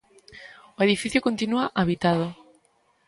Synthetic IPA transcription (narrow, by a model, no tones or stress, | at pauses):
oeðifiθjokont̪inuaʔaβit̪aðo